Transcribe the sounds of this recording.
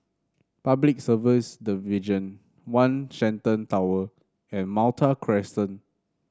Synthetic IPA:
pablik̚səvisdivid͡ʒə̃n | wãnsɛ̃ntə̃ntawə | ɛ̃nmaltʰakʰɹɛstə̃n

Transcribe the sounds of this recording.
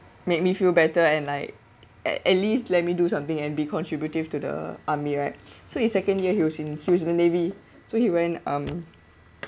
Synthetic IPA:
mek̚mifilbɛtəɛ̃nlaɪk̚ | ɛ̰ɛ̰tlistlɛt̚midusãmt̪ɪ̃ŋɛ̃nbikʰɔ̃ntʰɹibjutiv̥tudə̰ʔamiɹaɪt̚soisɛkə̃njəhiwɔsĩnhiwɔsĩnənevi | sohiwɛ̃nʌ̃m

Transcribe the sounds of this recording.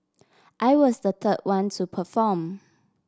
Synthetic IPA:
ʔaɪwɔsdət̪ʰəd̚wãntʰupʰəfɔm

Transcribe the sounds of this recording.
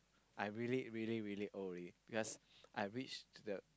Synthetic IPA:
ʔaɪɹiliɹiliɹiliʔolib̥ikɔsʔaɪɹit͡ʃdə

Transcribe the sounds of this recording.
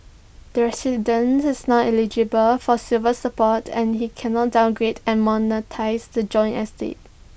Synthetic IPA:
d̥əɹɛsidə̃nsɪsnaʔɛlid͡ʒibəlfɔsilvəsəpɔtʰɛ̃nhikʰɛnɔt̚dãʊ̃nɡɹedɛ̃nmɔnətʰaɪsdəd͡ʒɔ̃ɪ̃nɛstḛt̚

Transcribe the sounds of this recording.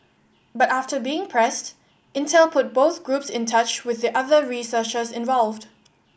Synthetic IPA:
bʌtaftəbiːɪ̃ŋpʰɹ̥ɛst | ɪ̃ntʰɛlˠpʰʊt̚b̥oʊθɡ̥ɹupsɪ̃ntʰʌt͡ʃwɪðiʔʌðəɹisət͡ʃəzɪ̃nvɔlˠvd̥

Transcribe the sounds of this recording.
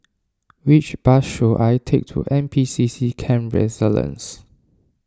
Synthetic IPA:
wit͡ʃb̥asʃoʔajtʰek̚tʰṵʔɛ̃mpʰisisikʰɛ̃mɹɛ̰zələ̰̃ns

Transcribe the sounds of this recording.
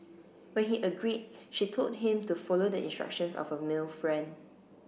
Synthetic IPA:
wɛ̃nhiʔəɡɹid̚ʃitʰot̚ɦɪ̃mtufɔlodəĩnstɹa̰kʃə̃nsɔ̰fəmɪlfɹɛ̃nd

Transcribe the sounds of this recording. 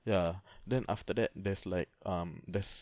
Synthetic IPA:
jadɛ̃nʔa̰ftədɛt̚dɛslaɪk̚ʌ̃mdɛs

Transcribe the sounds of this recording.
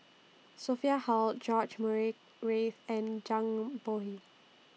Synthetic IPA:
sofiahɔld͡ʒɔd͡ʒməɹik̚ | ɹeθɛ̃nd͡ʒãŋboɦi

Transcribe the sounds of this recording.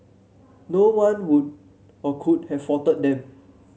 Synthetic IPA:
nowãnwud̚ | ɔkʰud̚hɛffɔtət̚dɛ̃m

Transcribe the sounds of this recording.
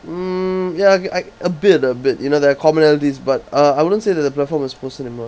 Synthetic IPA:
jaaɪəbɪtəbɪt̚junoðɛakʰɔmə̃nɛltisbat̚ʌaɪwʊdə̃ntseːðɛt̚d̪əplɛtfɔ̃mɔspʰosɛnimɔ

